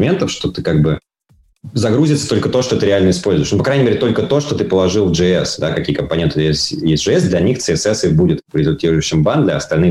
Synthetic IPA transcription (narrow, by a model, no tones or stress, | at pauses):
mʲe̞nt̪əfʂt̪o̞t̪ɨkaɡ̚bɨ | zɐɡɾuzʲɪt̪sə̥t̪o̞lʲkət̪oʂt̪o̞t̪ɨiɾʲɪalʲnəɪspolʲzʊɪʂnupɐkɾajʲnʲɪmʲeɾʲɪt̪o̞lʲkət̪o̞ʂt̪o̞t̪ɨpəlˠɐʐɨlˠvʐɨɛsd̪akɐkʲiəkəmpɐnʲent̪ɨt̪ɨjesʲtʲjesʲʐɨɛsd̪lʲɐnʲixt̪sɨɛsɛsɨbudʲɪt̪pɾʲɪzʲʊlʲtʲiɾʊjɕːɪmband̪lʲɐɐst̪ɐlʲnɨ